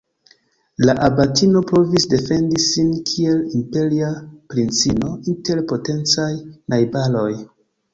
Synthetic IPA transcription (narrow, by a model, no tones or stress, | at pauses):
laʔabatino̞po̞visde̞fe̞ndisinkʰie̞limpe̞ɾiapɾint͡sino̞inte̞ɾpo̞te̞nt͡sajnajbalo̞j